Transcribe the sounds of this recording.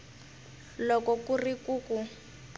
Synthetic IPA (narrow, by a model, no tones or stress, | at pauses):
lɔkɔkurikuːku